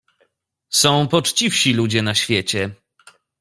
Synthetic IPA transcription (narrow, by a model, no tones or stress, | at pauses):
sɔ̃w̃pɔt͡ʂt͡ɕifɕilud͡ʑɛnaɕfʲjɛt͡ɕɛ